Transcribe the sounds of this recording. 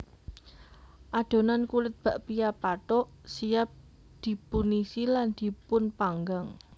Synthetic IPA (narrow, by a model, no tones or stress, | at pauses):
ʔaɖ̪̥o̤nankulɪt̪̚b̥a̤ʔpijapat̪ɔʔsijap̚ | d̪̥i̤punisiland̪̥i̤pʊnpaŋɡaŋ